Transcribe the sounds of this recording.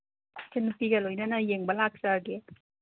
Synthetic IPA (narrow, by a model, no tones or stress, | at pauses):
senupiɡɐlojnɐnɐjeŋbɐlak̚sɐɡe